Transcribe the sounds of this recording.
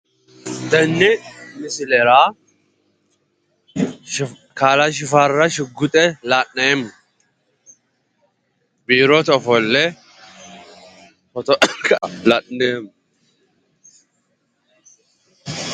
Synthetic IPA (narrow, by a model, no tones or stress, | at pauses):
d̪ɐnːɛmɪsɪlɛɾaː | kaːlaʃ̬ɪfarːɐʃɪɡːʊt̪ʼɛlaʔnɛm | biːɾɔt̪ɔfɔlːɛ | fɔt̪ɔklɐʔnɛːm